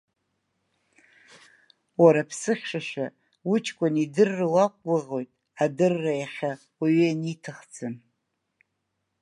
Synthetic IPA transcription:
waɾapʰsɨχʲʂaʃᶣa | wʊt͡ʃʰʼkʷʼanidɨrːɨwakʷʼlaʁo̞jtʼ | adɨrːajaχʲa | aɥianitʰɨχd͡zɨn

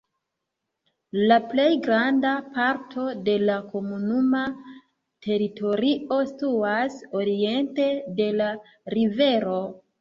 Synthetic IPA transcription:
laple̞jɡɾandapaɾtʰo̞de̞lako̞munuma | tʰe̞ɾitʰo̞ɾiʔo̞stuaso̞ɾie̞nte̞de̞la | ɾive̞ɾo̞

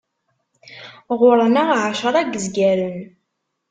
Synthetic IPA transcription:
ʁʊɾˤənaʁʕʃəɾˤæɡəzɡæɾən

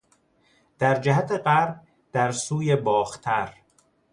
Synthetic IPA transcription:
d̪̥æɾd͡ʒæɦæt̪ʰe̞ɢæɾb | d̪̥æɾsuːje̞bɒːxt̪ʰæɾ

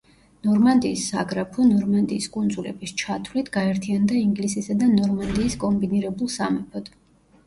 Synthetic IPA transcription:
nɔɾmand̪iːsːa̰ɡɾapʰɔnɔɾmand̪iːskʼund̪zulɛ̰bist͡ʃʰat̪ʰwlit̪ʰɡaɛɾt̪ʰiand̪aiŋɡlisisad̪anɔɾmand̪iːskʼɔmbiniɾɛbulˠsamɛpʰɔd̪̥

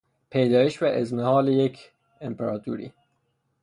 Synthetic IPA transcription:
pʰejd̪ɒːjeʃvæʔezmehɒːlejekʰ | empʰeɾɑt̪ʰṵːɾḭː

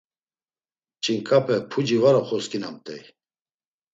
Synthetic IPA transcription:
t͡ʃʼiŋkʰʼapʰʼɛpʰud͡ʒivaɾɔχɔskʼinamt̪ʼɛ̰j

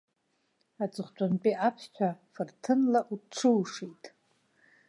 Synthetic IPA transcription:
at͡sʼɨχʷt͡ʃʷʼanpʼiʔapʰt͡ʃʷʰafɨrtʰɨnlaʔuʈ͡ʂʰɨwʂitʼ

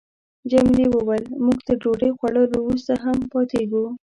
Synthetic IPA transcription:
d͡ʒamliwəwajlmuɡt̪əɖoɖəjxwaɽəlowɾust̪aɦampɑt̪eɡu

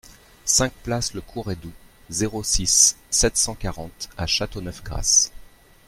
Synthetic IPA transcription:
sɛ̃k̚plasləkʰuʁɛd̪u | zeʁosisːɛt̪sɑ̃kaʁɑ̃t̪aʃat̪onœfɡʁa̰s

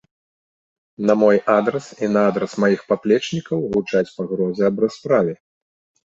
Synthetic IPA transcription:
nɐmɔjʔad̪ɾɐsinɐad̪ɾɐsmajixpaplʲɛt͡ʂnʲikɐwɣut͡ʂat͡sʲpaɣɾɔzʲɛɐbɾaspɾavʲɛ

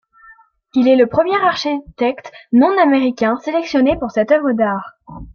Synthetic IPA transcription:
ilɛləpχəmjɛʁaʁʃit̪ɛkt̪nɔ̃nameʁikʲɛ̃selɛksjɔnepuʁsɛt̪œvʁəd̪aːʁ

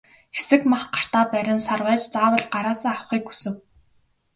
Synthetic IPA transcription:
xe̥sɘ̆kmaχɢḁr̥t̪aːpæɾʲɪ̆nsarwæːt͡ɕt͡saːwə̆ɮɢaɾaːsaːŋawχiːkxu̥sɘ̆w

